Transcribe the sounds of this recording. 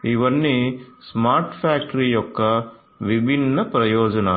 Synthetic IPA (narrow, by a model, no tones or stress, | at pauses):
iʋɐnːismaːɾʈfaːk̚ʈɐɾijɔkːɐ | ʋibʱinːɐpɾɐjoːd͡ʒɐna